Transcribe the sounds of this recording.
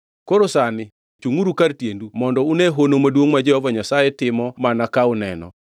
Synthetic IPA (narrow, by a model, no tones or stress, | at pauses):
koɾosanɪ | t͡ʃuŋuɾukaɾtjendumɔndɔuneɦonomadwoŋmad͡ʒɛɔvɔɲasajɛtɪmɔmanakaʊnɛ̰nɔ̰